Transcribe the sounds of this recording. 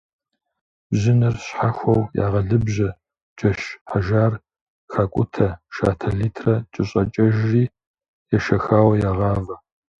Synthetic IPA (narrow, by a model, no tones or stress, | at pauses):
bʑɪnɐrɕħaxʷɐwja̰ːʁɐɮɨbʑɐ | d͡ʒɐʃħaʒaːr | xakʷʼʊtʰɐʃa̰ːtʰɐɮiːtʰrɐt͡ʃʼɪɕʼɐt͡ʃʼɐʒriː | jɛʃɐxaːwɐjaːʁɑːvɐ